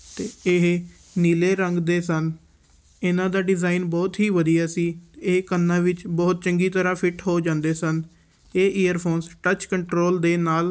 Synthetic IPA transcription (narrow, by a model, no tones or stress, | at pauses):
t̪eːɪɦ | niːleːɾəŋɡd̪eːsən | ɪnãːd̪aːɖɪzaːinbɔːt̪ɦiːʋəd̪ijaːsiːt̪ːekənːãːʋɪt͡ʃbɔːt̪̚t͡ʃəŋɡiːt̪əɾãːpʰɪʈɦoːd͡ʒãːnd̪eːsən | eːʔeːjəɾpʰoːnsʈət͡ʃkəɳʈɾoːld̪eːnaːl